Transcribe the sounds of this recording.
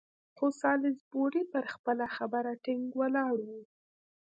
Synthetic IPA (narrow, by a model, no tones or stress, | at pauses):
xosɑlɪzboɾipəɾxpəlaxabəɾaʈɪŋɡwəlɑɽwu